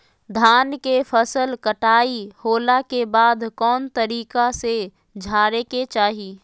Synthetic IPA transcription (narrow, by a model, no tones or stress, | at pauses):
d̪ʱaːnkefʰəsəlkəʈaːihoːlakebaːd̪kɔːnt̪əɾiːkase | d͡ʒʱaːɾeket͡ʃaːɦiː